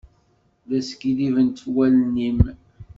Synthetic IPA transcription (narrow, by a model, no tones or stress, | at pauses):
ðæsə̥kiðivənt̪wælnim